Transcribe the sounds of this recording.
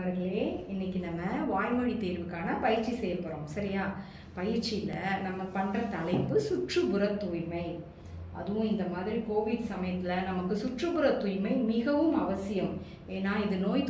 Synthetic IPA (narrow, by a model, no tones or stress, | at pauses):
ɐɾɯɣɐɭeːɪnːɪkʲːinɐmːɐʋaːjmɐɽit̪eːɾʋɯkːaːnɐpɐjɪɾt͡ʃːisɛːjɐlpɐɾõːmsɐɾɪjaː | pɐjɪɾt͡ʃɪɪlːɐnɐmːɐpɐɳrɐt̪ɐlɐɪpːɯsʊʈrɯbɯɾɐt̪ːujmɐɪ | ʔɐ̰ðɯʋʊ̃ɪnd̪ɐmaːðɪɾikoːʋɪɽsɐmɐjɐt̪ːɪlɐnɐmɐkːɯsʊʈrɯbɯɾɐt̪ːujmɐɪmɪɣɐʋɯmɐʋɐsɪjɐm | eːnːaːɪðɯnoːjt̪